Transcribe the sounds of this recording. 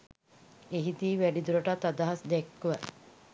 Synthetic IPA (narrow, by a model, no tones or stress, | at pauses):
eɦid̪iːʋæɖid̪uɾəʈat̪ːad̪aɦasd̪ɛkːuʋə